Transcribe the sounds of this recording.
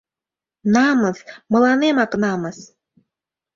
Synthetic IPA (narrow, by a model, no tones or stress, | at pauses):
nɑmɤsmɤ̆lˠɑnemɑknɑməs